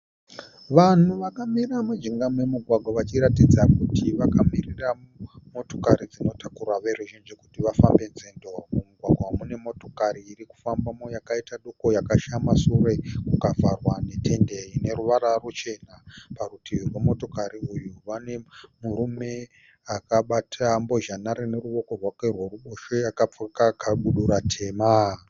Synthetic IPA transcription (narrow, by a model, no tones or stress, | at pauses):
ʋan̤uʋakamiramad͡ʒiŋɡamwe̞muɡʱwaɡʱwaʋat͡ʃiɾatid͡zakutʰiʋakamirira | mo̞to̞kaɾid͡zino̞tʰakurwaʋe̞ɾuʒind͡ʒiku̥tiʋafambe̞nzendorkomuɡʱwaɡʱwamune̞mo̞to̞kaɾiːriku̥fambamojakaitaɗoko̞jakaʃamasure̞kukavʱarwane̞tʰe̞nderine̞ɾuʋaɾarut͡ʃe̞naparutʰiʋirwe̞mo̞to̞kaɾiujuʋane̞muɾume̞ | akaɓatʰambo̞ʒanaɾine̞ɾuʋo̞ko̞rwakerwe̞ruɓoʃojakap͡fokakaɓuɗuɾatʰe̞ːma